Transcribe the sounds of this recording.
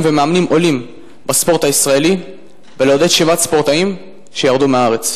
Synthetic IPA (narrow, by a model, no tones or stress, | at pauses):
vemeamnimʔo̞lim | baspo̞ʁt̪aisʁae̞li | veleod̪e̞d̪ʃevat̪spo̞ʁt̪aim | ʃejaʁd̪umeaaʁe̞t͡s